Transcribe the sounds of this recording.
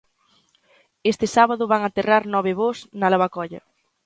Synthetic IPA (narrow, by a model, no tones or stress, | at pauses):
est̪ɪsaβaðʊβaŋat̪eraɾnɔβ̞ɪβosnɐlaβakɔʎɐ̰